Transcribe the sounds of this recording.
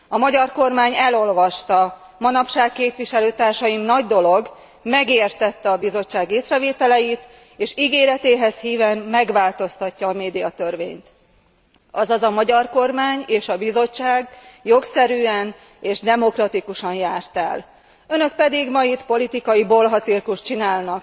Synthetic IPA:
ɒmɒɟɒrko̞rmaːɲɛlo̞lvɒʃt̪ɒ | mɒnɒpʃaːkːeːpʋiʃɛløːt̪aːrʃɒjimnɒɟd̪o̞lo̞ɡ | mɛɡeːrt̪ɛt̪ːɛɒbizo̞t͡ʃːaːɡeːsrɛveːt̪ɛlɛjit̪ | eːʃiɡeːɾɛt̪eːɦɛshiːvɛmːɛɡʋaːlt̪o̞st̪ɒcːɒːmeːd̪ijɒt̪ørvḛːɲt̪ | ɒzɒzɒmɒɟɒrko̞rmaːɲeːʃɒbizo̞ːaːɡjo̞ksɛɾyːɛn | eːʒd̪ɛmo̞krɒt̪ikuʃɒnjaːrt̪ɛ̰l | ø̞nø̞k̚pɛd̪iɡmɒjit̪po̞lit̪ikɒjibo̞lɦɒt̪sirkuʃt͡ʃinaːlnɒk

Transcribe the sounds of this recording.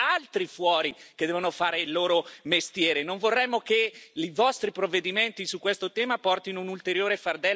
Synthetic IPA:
alt̪ɾifwɔːɾiked̪ɛːvonofaːɾeilːoːɾomest̪jɛːɾenoɱvorːɛmːokeivɔst̪ɾipɾovːed̪iment̪isukːwest̪ot̪ɛːmapɔrt̪inounult̪eɾjoːɾefard̪ɛ

